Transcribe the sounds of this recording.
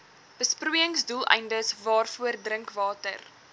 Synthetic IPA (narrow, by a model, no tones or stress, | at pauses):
b̥əsprujəŋsdulˠɛ̰jndəsvɑːrfuərdrəŋkvɑːtə̰r